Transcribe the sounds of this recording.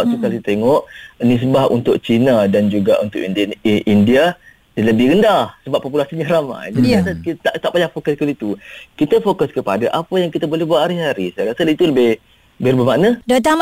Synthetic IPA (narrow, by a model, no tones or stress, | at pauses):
ʔt̪ukalit̪eŋɔʔnis̬əbahṵnt̪ʊk̚t͡ʃinadand͡ʒuɡaʔunt̪ʊʔʔindia | daləbɪhɡəndasəbapːopulasiɲaɾama̰jd͡ʒadiasait̪aʔt̪aʔpaɲafokaskalit̪ukit̪əfokaskəpadaʔapajaŋkit̪abolɛhbəaʔhaɾiɦaɾisajɾasalit̪uləbɪh | əbɪɾubəmaʔnadat̪a